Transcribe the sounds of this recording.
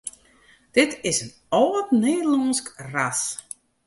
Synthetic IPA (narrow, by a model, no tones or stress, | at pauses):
d̥ɪtɪsən | ɔːtneːdəlɔːnskras